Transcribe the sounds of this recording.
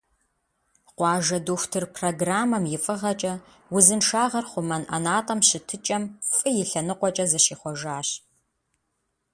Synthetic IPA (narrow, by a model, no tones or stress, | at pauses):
qʷɑːʒɐdoːxʷtʰɨrpʰroɡraːmɐmjɪfʼɨʁɐt͡ʃʼɐ | wʊzɨnʂaːʁɐrχʷʊmɐnʔɐ̰naːtʼɐmɕɪtʰɨt͡ʃʼɐmfʼɨjɪɬɐnɨqʷɔt͡ʃʼɐzɐʃiːχʷɔʒaːɕ